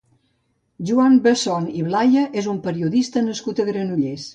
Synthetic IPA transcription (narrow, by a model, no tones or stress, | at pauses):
ʒuambəsɔniβlajəʔezumpəɾiuðist̪ənəskut̪əɣɾənuʎes